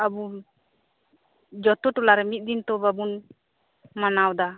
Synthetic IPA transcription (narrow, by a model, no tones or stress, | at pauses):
abu | d͡ʒɔt̪ɔʈɔlaɾɛmit̪̚ˀd̪int̪ɔbabun | manawd̪a